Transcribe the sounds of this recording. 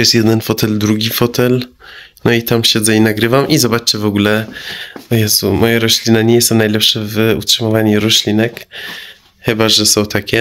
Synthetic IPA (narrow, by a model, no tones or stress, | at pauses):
jɛst̪jɛd̪ɛnfɔt̪ɛld̪ɾuɡʲifɔt̪ɛl | nɔit̪amɕɛd̪zɛinaɡɾɘvamʔizɔbat͡ʂɘvɔɡulɛ | ɔjasumɔjaɾɔɕlʲinaɲɛjsɔwnajlɛpʂɛvṵtʂɘmɔvaɲiɾɔɕlʲinɛk | xɘbaʐɛsɔ̃wt̪akʲɛ